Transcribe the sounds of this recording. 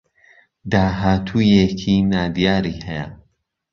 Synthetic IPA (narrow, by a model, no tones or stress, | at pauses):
d̪aːɦaːt̪ʰuːjecʰinaːd̪ijaːɾihɛja̰